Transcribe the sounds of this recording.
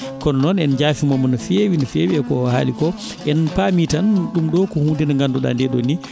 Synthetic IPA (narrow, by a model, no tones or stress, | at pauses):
kɔnnɔnɛnd͡ʒaːfimɔmɔnɔfewinfeːwiɛkɔha̰ːlikɔ | ʔɛnpaːmitanɗumɗɔkɔhundinaŋɡanduɗa̰ndɛɗoni